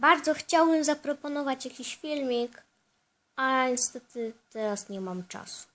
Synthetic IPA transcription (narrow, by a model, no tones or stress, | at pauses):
baɾd̪zɔxt͡ɕawbɘmzapɾɔpɔnɔvat͡ɕjakʲiɕfʲilmʲik | aɲɛst̪ɛt̪ɘt̪ɛɾasɲɛmamt͡ʂa̰su̥